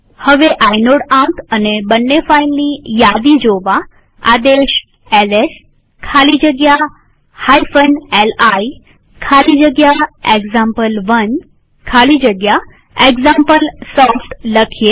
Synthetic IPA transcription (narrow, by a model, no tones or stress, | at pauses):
həʋeʔainoɽãkənebənːefailnijad̪id͡ʒoʋa | a̰d̪eʃ | eles | kʰalid͡ʒəɡja | haifənelai | kʰalid͡ʒəɡjaeɡzãmpəlʋən | kʰalid͡ʒəɡja | eɡzampəlsɔfʈləkʰije